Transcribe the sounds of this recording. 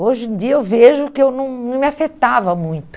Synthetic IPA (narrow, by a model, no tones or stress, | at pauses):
oʒẽd͡ʒiɐewveʒʊkɪewnɐ̃w̃nɐ̃w̃mɪafet̪avɐmũj̃t̪ʊ̥